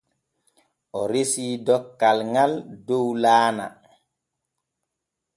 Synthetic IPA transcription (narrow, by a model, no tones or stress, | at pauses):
ʔɔɾesiːdɔkːalŋaldowlaːna̰